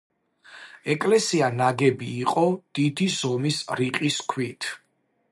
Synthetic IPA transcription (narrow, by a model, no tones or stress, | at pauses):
ɛkʼlɛsianaɡɛbiːqʼɔd̪̥id̪izɔmisɾiqʼiskʰwit̪ʰ